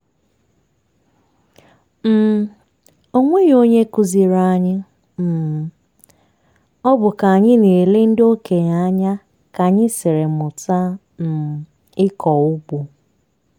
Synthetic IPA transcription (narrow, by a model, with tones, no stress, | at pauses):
m̩˦˨ | o˦ŋʷe˦ji˨o˦ɲe˦ku˦zi˨ɾa˨a˨ɲɪ˦ | m̩˨ | ɔ˦bʊ˨ka˨a˨ɲɪ˦ne˨le˦n̩˦do˦ke˨ɲa˦ɲa˦ | ka˨ɲɪ˦sɪ˨ɾe˨mʊ˨ta˦ | m̩˨ | ɪ˦kɔ˨ʊ˦ɡ͡bu˨